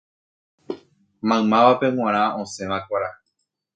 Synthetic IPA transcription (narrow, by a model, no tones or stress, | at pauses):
mãɨ̃mãʋape̞w̃ʷãɾ̃ãʔõsẽ̞ʋãkʷaɾa